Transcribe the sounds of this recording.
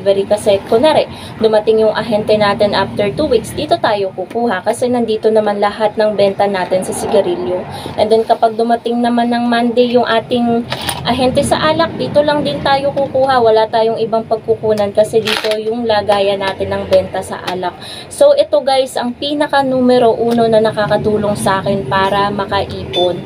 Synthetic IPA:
vɛɾikɐsɛkonaɾɛ | d̪ʊmɐt̪ɪŋjʊŋʔɐ̰ɦɛnt̪ɛnaːt̪ɛnʔaft̪ɛɹt̪uːwiksd̪iːt̪o̞t̪aːjo̞kukuːhɐkɐsɛnɐnd̪iːt̪o̞nɐmanlɐhat̪̚nɐŋbɛnt̪ɐnaːt̪ɪnsɐsɪɡɐɾiljoʔɛnd̪ɛnkɐpaɡ̚d̪ʊmɐt̪ɪŋnɐmanːɐŋmand̪ɛjʊŋʔaːt̪ɪŋʔɐɦɛnt̪ɛsɐʔaːlɐk̚d̪iːt̪o̞lɐŋd̪ɪnt̪aːjo̞kukuːhɐwɐlat̪aːjo̞ŋɪbaŋpɐɡ̚kʊkuːnɐnkɐsɛd̪iːt̪o̞jʊŋlaːɡaːjɐnaːt̪ɪnːɐŋbɛnt̪ɐsɐ̰ʔa̰ːlɐk̚ | so̞wʔɛt̪o̞ɡajsʔɐŋpiːnɐkɐnuːmɛɾo̞ʔuːno̞nɐnɐkaːkɐd̪uːlo̞ŋsɐʔaːkɛnpaːɾɐmɐkɐʔiːpo̞n

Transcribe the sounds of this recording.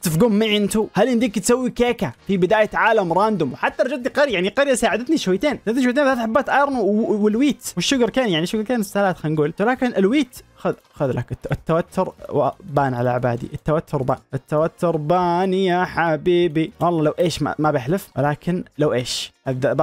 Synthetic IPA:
t̪ɪfɡʊmːiʕɪnt̪uhalʔɪnd̪iːkt̪sawːikeːkafibɪd̪aːjɪʕaːlamɾˤaːnd̪ʊmwħat̪ːɑɾˤɑd͡ʒadt̪niqɑɾjajaʕniqɑɾjasaːʕɪd̪at̪niʃwajt̪eːnsat̪niʃwajt̪eːnat̪ħabːaːt̪ʔajɾˤnwɪlwiːt̪wɪʃːʊɡɾkeːnjaʕniʃːʊɡɾkeːnɪsːahlaːt̪xanɡuːlwɪlaːkɪnʔɪlwiːt̪xað | xʊðlak̪ɪt̪ːawat̪ʰːʊɾbaːnʕalaʕba̰ːd̪ḭʔɪt̪ːawat̪ʰːʊɾˤba̰ːnʔɪt̪ːawat̪ːʊɾbaːnjaħabiːbiwɑlˤːɑːlawʔeːʃmabɪħlɪfwɪlaːkɪnlawʔeːʃadaba

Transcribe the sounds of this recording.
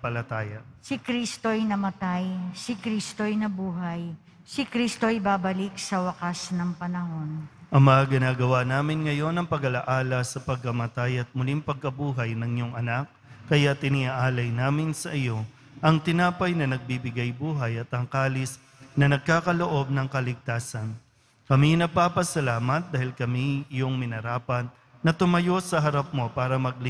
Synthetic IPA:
pɐlɐt̪aːjɐsɪkɾist̪o̞ɐjnɐmɐt̪ajsɪkɾist̪ojnɐbuːɦɐj | sɪkɾist̪o̞jbaːbɐlik̚sɐwɐkasnɐŋpɐnɐɦo̞nʔɐmːɐaɡɪnaːɡɐwanaːmɪnŋɐjo̞nɐŋpɐɡɐlɐʔaːlɐsɐpɐɡ̚kɐmɐt̪ajɐt̪̚mʊliŋpɐɡ̚kɐbuːɦɐjnɐŋjoŋɐnak̚ː | ɐjat̪ɪnɪʔaʔaːlɐjnaːmɪnsɐʔɪjo̞ | ʔɐŋt̪ɪnaːpɐjnɐnɐɡ̚bibɪɡajbuːɦɐjɐt̪ɐŋkaːlɪs | nɐnɐɡ̚kaːkɐloʔo̞b̚nɐŋkɐlɪɡ̚t̪aːsɐn | kɐminɐɡ̚paːpɐsɐlaːmɐt̪̚d̪aːhɪlkɐmiɪjoŋmɪnɐɾaːpɐt̪̚ | nɐt̪ʊmɐjo̞sɐɦɐɾap̚mo̞paːɾɐmɐɡ̚lɪ

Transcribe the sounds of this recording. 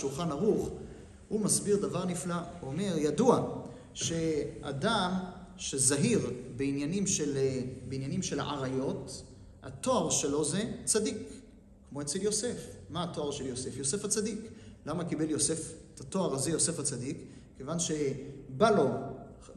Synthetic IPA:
ʃulχanaʁuχ | humasbiʁd̪avaʁniflaome̞ʁjadua | ʃe̞adam | ʃe̞zaɦiʁbeinjanimʃelbeinjanimʃe̞la̰ʔa̰ʁajo̞t | ha̰t̪o̞aʁʃe̞lo̞zet͡sadikː | mo̞et͡seljo̞se̞fmaato̞aʁʃe̞ljo̞se̞fjo̞se̞fat͡sadiklamakibe̞ljo̞se̞fet̪ato̞aʁazejo̞se̞fat͡sadikː | evanʃebalo̞

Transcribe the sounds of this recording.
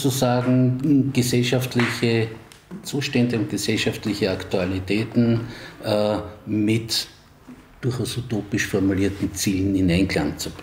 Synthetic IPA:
t͡susaːɡŋ̩ɡ̥əsɛlʃaftlɪçə | t͡suːʃtɛndəʊnt̚ɡ̥əsɛlʃaftlɪçəaktualitʰɛːtn̩ | mɪt | d̥ʊɐxaʊsutoːpɪʃfɔɐmuliːɐtn̩t͡siːln̩ɪnæɪnkʰla̰ŋt͡sub

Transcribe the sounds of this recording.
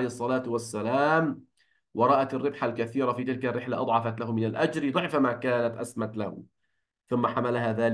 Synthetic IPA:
ejhɑsˤːɑlaːt̪wasːalaːm | wɑɾˤɑːʔat̪ɪrːɪbħalkaθiːɾafiːt̪ɪlkarːɪħlaʔɑ̰d̪ˤʕɑfat̪lahʊmɪnalʔad͡ʒɾd̪ˤɨʕfamaːkaːnat̪ʔasmat̪lah | θʊmːaħamalaɦaðaːl

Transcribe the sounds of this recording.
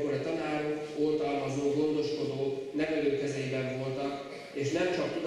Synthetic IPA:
koɾɒt̪ɒnaːɾoolt̪ɒlmɒzoːɡo̞nd̪o̞ʃko̞d̪oːnɛvɛløːkɛzejibɛɱvo̞lt̪ɒk | eːʃnɛmt͡ʃɒkt̪ud̪

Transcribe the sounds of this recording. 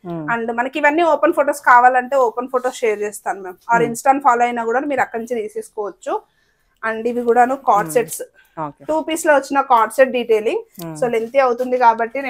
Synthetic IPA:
ɐɳɖmɐnɐkiʋɐnːiːoːpɐnpʰoʈoːskaːʋaːlɐɳʈe̞ːoːpɐnpʰoʈo̞ːsʃeːɾd͡ʒeːst̪aːnumeːmaːɾinsʈaːnɖpʰaːloːɐjnaːkuːɽaːnumiːɾɐkːɐɽniɲt͡ʃid̪iːseːskɔːʋɐt͡ʃːu | ɐɳɖiʋikuːɽaːnuːkaːʈseʈs | oʈuːpiːsloʋɐt͡ʃːinɐkaːɾʈseʈ̚ɖiːʈe̞ːliŋɡsoːlent̪iɐwut̪und̪ikaːbɐʈːinː

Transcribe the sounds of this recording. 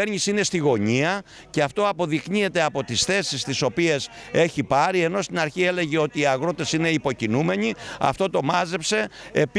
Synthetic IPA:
eɾɲisine̞st̪iɣo̞ɲiɐ | ceɐft̪o̞ɐpo̞ðikɲie̞t̪e̞ɐpo̞t̪isθe̞sist̪iso̞pie̞se̞çipɐɾie̞no̞st̪inɐɾçie̞le̞ʝe̞o̞t̪iːɐɣɾo̞t̪e̞sine̞ipo̞cinume̞ɲiɐ̰ft̪o̞t̪o̞mɐze̞pse̞ep

